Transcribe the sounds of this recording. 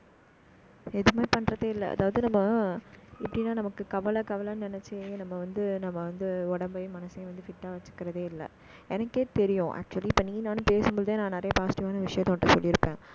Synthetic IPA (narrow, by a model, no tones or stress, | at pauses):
ɛðɯmaːpɐɳːɾɐðeːɪlːɐ̰ːðaːʋɐðɯnɐmːɐ | ɪpːɐɽɪnːaːnɐmɐkːɯkɐʋɐlɐkɐʋɐlɐnnɪnɛt͡ʃːɪnɐmːɐʋɐnd̪ɯnɐmːɐʋɐnd̪ɯɔɽɐmbɐjmɐnɐsɐẽʋɐnd̪ɯfɪʈːaːʋɐt͡ʃːɯ̥kːɪɾɐðeːɪlːɐ̰ | ɛnɐkːeːʈt̪ɛɾɪjõːʔæ̰ːk̚t͡ʃʊɐliːpːɐːnĩːnaːnɯ̃peːsɯmbɔɭðeːnãːnɐɾɐjɐpaːsɪ̥ʈɪaːnɐʋɪʂɐjɐ̃t̪ːõːʈːɐsɔlːɪɾɯpːẽː